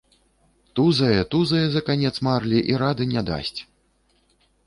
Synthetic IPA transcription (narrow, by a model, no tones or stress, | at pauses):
t̪uzɐjɛt̪uzɐjɛzɐkanʲɛt̪smarlʲiʔiɾad̪ɨnʲad̪a̰sʲt͡sʲ